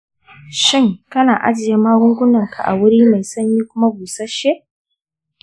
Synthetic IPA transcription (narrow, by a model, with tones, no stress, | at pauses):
ʃɪ˦˨ŋkɐ˦naː˨ʔa̰˦d͡ʒɪ˨ja˦maː˦ɡʊ˦ŋɡʷʊ˦nɐ˨ŋkʰa̰˨ʔa̰˨wʊ˦ɽiː˦ma˨jsɐ˦ɲjiː˦kʷʊ˦ma˦buː˨sɐ˦ʃe˦ʔ